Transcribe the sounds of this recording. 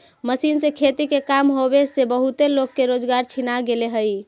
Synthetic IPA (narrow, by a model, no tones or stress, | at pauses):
məsinsẽkʰet̪ikekamɦobesebəɦut̪elokːeɾod͡ʒɡaɾt͡ʃʰinaɡeleɦəj